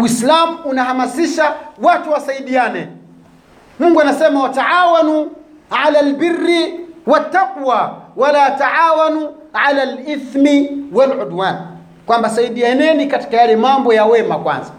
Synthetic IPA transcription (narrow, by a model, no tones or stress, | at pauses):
islamuunaɦamasiʃawatuwasaiɗianɛ | muŋɡwɛanasɛmawataʕawanu | ʕalalbirːiwat̪ːaqwawalaːtaʕaːwanu | ʕalaliθmiwalʕudwaːn | kwambasaiɗianɛnikati̥kajalɛmambɔjawɛmakwa̰nza